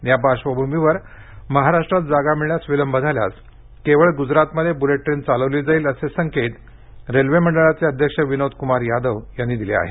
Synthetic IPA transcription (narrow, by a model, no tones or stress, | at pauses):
jabaɕʋəbʱumbʱiʋəɾ | məɦaɾaʂʈɾat̪̚d͡zaɡamiɭjasʋiləmbʱəd̪ʱalja̰s | keʋəɭɡud͡zɾat̪məd̪ʱːjebuleʈːɾent͡saləʋliːd͡zaiːləsesəŋket̪ | ɾelʋeməɳɖəɭat͡seəd̪ʱjəkʂəʋinod̪kumaɾjad̪əʋjanːiːd̪ilḛa̰ɦḛ